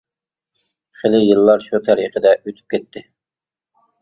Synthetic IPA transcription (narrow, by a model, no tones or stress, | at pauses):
χelˠɪjɨlˠːɑɾʃut̪ʰæɾiqʰəd̪ɛʔøt̪ʰy̥p̚kʲɛt̪ːɪ